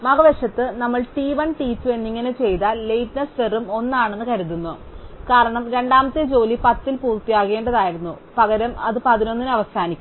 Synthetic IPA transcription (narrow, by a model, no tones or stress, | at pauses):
mɐɡɐʋeʂɐt̪ːɨnɐmːɐɭʈiːʋɐnʈiːt͡ɕːue̞nːiŋːɐnet͡ɕe̞jt̪ɐle̞jʈnɐsʋerumo̞nːaːɳenːɨkɐɾuðunːu | kaːɾɐɳɐmɾe̞ɳɖaːmɐt̪ːed͡ʑo̞ːlipɐt̪ːilpuːrt̪ijaːɣe̞ːɳɖɐðaːjiɾunːu | pɐɣɐɾɐmɐðɨpɐðino̞nːinɐʋɐsaːnikʲːu